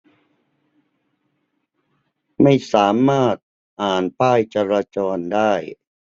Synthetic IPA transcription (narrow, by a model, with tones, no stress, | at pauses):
ma˥˩jsaː˩˦maː˥˩t̪̚ | ʔaː˨˩npaː˥˩jt͡ɕa˧ɾaː˧t͡ɕɔː˧ndaː˥˩j